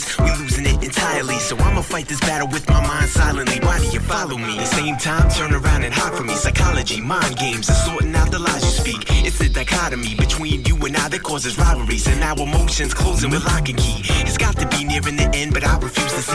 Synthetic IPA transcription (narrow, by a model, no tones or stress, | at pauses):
wwiluzɪ̃ŋɪɾɨ̃ntʰaɪə˞lˠisoʊãɪ̃mfaɪt̪̚ðɪsb̥æɾl̩ˠwɨðmaɪmãɪ̃nd̥saɪlˠə̃nʔliwaɪɾɨjɨfɑlˠoʊmiðɨsẽɪ̃mtʰãɪ̃mtʰɜ̃˞nə˞ãʊ̃ndɨ̃nɦɑd̥fə˞misaɪkʰɑlˠɨd͡ʒimãɪ̃nɡẽɪ̃mzɨz̥sɔɹʔnaʊðəlaɪzɨspikɨtsðɨdaɪkʰɑɾɨmibɨtʰw̥ĩnjɨə̃naɪðɨt̚kʰɔɹzɨzɹaɪbə˞isɨ̃naʊəmoʊʃɨ̃nz̥kʰl̥oʊzɪ̃ŋwɨðlɑkɨ̃nkʰiɨtsɡ̥ɑtɨbinɪɹɨ̃nðiʔɛ̃nbʌɾaɪɹɨfjʉzðɨs